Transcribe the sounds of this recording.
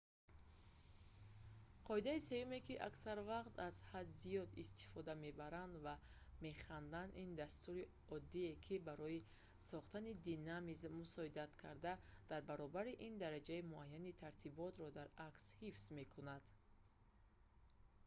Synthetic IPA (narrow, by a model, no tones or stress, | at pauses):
qʰɔid̪aise̞jume̞kiʔaksaɾvaqt̪az̥had̪zijɔd̪ist̪ʰi̥fɔd̪ame̞baɾand̪va | me̞χand̪anind̪ast̪uɾi | ɔd̪ːiekʰibaɾɔji | sɔχt̪anid̪inamizmusɔid̪at̪kʰa̰ɾd̪ad̪̥aɾbaɾɔbaɾiʔind̪aɾad͡ʒaimuajːanit̪ʰaɾt̪ʰibɔt̪ɾɔd̪aɾakshifsme̞kʰunad̪̥